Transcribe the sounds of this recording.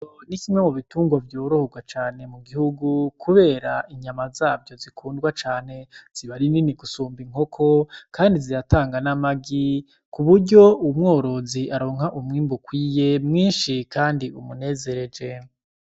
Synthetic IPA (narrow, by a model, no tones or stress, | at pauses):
onikimemoβituːŋɡavjoːɾo̞hoɡwat͡ʃaːne̞muɡihuɡukʰuβe̞ːɾaʔiɲamazaːvɟo̞zikʰuːndɡwat͡ʃaːn̥e̞z̥iβaɾininiɡusuːmbiŋ̥o̞kʰo̞kaːndiziɾataːŋɡanamaɡi | kuβuɾɟo̞umŋo̞ːɾo̞ziaɾo̞ːŋhaʔumŋiːmbukwiːje̞mŋiːnʃikaːndiumune̞ːze̞ɾe̞d͡ʒe̞